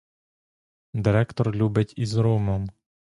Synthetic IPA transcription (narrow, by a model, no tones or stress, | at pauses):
d̪ɪɾɛkt̪ɔrlʲubɪtʲizɾumɔm